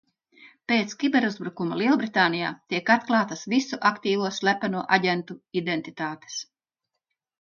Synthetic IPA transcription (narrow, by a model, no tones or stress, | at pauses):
peːt̪skʲibeɾuzbɾukumɐlˠiɛbɾit̪aːnija̰ːt̪iɛkat̪klˠɑːt̪ɐsvisuʔakt̪iːvuɔsʲlʲæpɛnuɔʔaɟʲɛnt̪uid̪ent̪it̪aːt̪e̥s